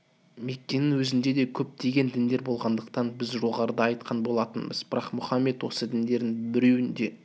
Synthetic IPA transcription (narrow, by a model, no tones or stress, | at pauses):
me̞kʲːe̞nɪŋwɵzɪnd̪e̞d̪e̞kʲʰɵp̚t̪ʰe̞ɡʲe̞nd̪ɪnd̪e̞ɾbo̞lˠʁɑnd̪əq̚t̪ɑnbɪzʒo̞ʁɑɾəd̪ɑɑjt̪̚qʰɑnbo̞lˠɑt̪ənbəzbɪɾɑqmʊχɑmːe̞t̪wo̞səd̪ɪnd̪e̞ɾd̪ɪŋbɪɾe̞wɪnd̪e̞